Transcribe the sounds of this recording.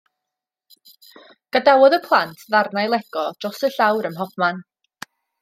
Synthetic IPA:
ɡ̥adawɔðəpʰlˠantʰðarnajlˠɛɡ̥ɔdrɔsəɬawɾəmɦɔpman

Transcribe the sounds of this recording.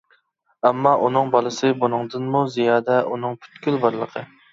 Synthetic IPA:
ɛmːɑʔunɨŋbɑlˠɨsɨbonɨŋd̪ɨnmuzijɑːd̪ɛʔunɨŋpʰy̥t̪kʲylbɑɾlˠəqʰə

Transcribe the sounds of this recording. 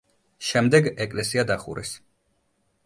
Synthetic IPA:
ʃɛmd̪ɛɡɛkʼlɛsiad̪aχṵɾɛ̰s

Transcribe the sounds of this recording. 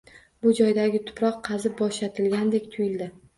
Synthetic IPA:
bʊd͡ʒɒjd̪aɡʲɪt̪ʰʊ̥pɾɒqʰːɑzɪbɒʃat̪ʰɪlɡʲand̪e̞kʲt̪ʰʊjɪld̪ɪ

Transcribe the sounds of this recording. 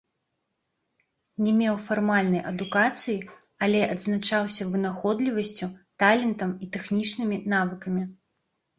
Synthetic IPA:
nʲɛmʲɛwfarmalʲnɐjʔɐd̪ukat̪sɨji | alʲɛʔɐd̪znat͡ʂawsʲɐvɨnaxɔd̪lʲivɐsʲt͡sʲut̪alʲɛnt̪ɐmit̪ɛxnʲit͡ʂnɨmʲinavɨkɐmʲi

